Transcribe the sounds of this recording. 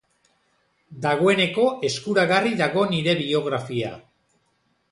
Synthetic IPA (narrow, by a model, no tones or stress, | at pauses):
d̪aɣ̞o̞e̞ne̞ko̞e̞skuɾaɣariðaɣo̞niɾe̞βio̞ɣ̞ɾafia̰